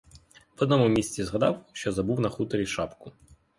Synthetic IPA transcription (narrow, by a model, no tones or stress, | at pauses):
ʋɔd̪nɔmʊmʲisʲt͡sʲizɦɐd̪ɑwʃt͡ʃɔzɐbuwnɐxut̪ɔɾʲiʃɑpkʊ